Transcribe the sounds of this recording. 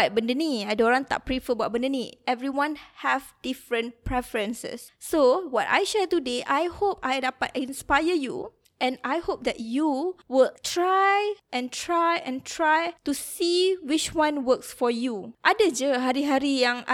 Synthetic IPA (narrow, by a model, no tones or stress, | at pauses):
t̚bəndəniajdõɾãŋt̪a̰ʔ̚pɹifəbaʔ̚bə̃ndəniɛvɹiwãnhɛvdifɹə̃npɹɛfəɹə̃nsə̰sːowɔta̰jʃɛtudeʔajhopajdapatĩnspajəjṵ | ʔɛ̃najhop̚d̪ɛ̰t̚juwɪltɹajʔɛ̃ntʰɹajɛ̃ntʰɹajtusiwit͡ʃwãnwəksfɔjuʔadəd͡ʒəɦaɾiɦaɾijãŋʔa